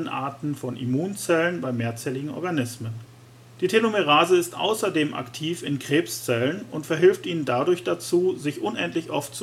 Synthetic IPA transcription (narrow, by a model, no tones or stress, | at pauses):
ənʔa̰ɐtn̩fɔnʔḭmuːnt͡sɛlənbaɪmeːɐt͡sɛːlɪɡŋ̩ɔ̰ɐɡanɪsmən | d̥iːtʰelomeʁ̞aːzəɪstʔa̰ʊsɐdeːmʔa̰ktʰiːfɪnkʁ̥eːpst͡sɛlənʊntfɛɐɦɪlftʔiːnəndadʊɐçd̥at͡suːzɪçʔʊnʔɛntlɪçʔɔft̚t͡s